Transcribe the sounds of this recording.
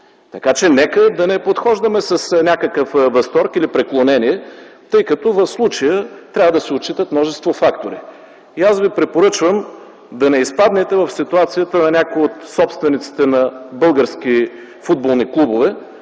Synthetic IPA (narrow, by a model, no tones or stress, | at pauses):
t̪ɐkat͡ʃɛnɛkəd̪ɐnɛpot̪xɔʒd̪əmɛsɐsnʲakəkəfvɐst̪ɔɾkilipɾɛklˠonɛniɛt̪ɤjkɐt̪ɔvɐfslˠut͡ʃəjət̪ɾʲavəd̪ɐsɛot͡ʃit̪ət̪mnɔʒɛst̪vofakt̪oɾḭ | iasvipɾɛpoɾɤt͡ʃvəm | d̪ɐnɛispad̪nɛt̪ɛvɐfsit̪uat̪sijət̪ənɐnʲakoiot̪sɔpst̪vɛnit̪si̥t̪ɛnɐbɤlˠɡəɾsk̟i | fud̪̚bolˠniklˠubovɛ